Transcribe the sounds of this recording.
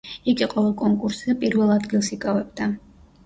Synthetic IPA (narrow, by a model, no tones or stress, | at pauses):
iɡiqʼɔvɛlˠkʼɔŋkʼuɾszɛpʼiɾvɛlˠad̪ɡilˠsikʼavɛbd̪a